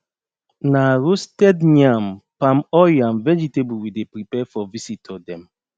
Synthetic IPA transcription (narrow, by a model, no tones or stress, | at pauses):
naɹostɛdɲãmpãmɔjãmvɛd͡ʒitebuwidepɹipɛfɔvisitʰɔdɛ̃m